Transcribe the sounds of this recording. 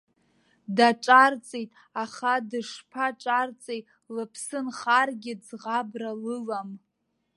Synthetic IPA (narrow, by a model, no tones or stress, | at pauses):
daʈ͡ʂʼart͡sʼejtʼ | aχadɨʂpʰaʈ͡ʂʼart͡sʼejtʼ | lɨpʰsɨnχarɡʲɪd͡zʁabralɨlam